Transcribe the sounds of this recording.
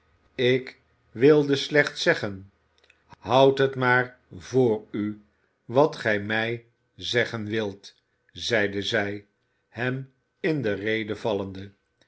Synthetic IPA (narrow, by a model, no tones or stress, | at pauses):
ɪk | ʋɪlˠdəslɛχt̪sɛχən | ɦɑwtɦətmaːr | vʊːɹy | ʋɑtχɛjmɛj | zɛχənʋɪlˠt | zɛjdəzɛj | hɛm | ɪndərejdəvɑləndə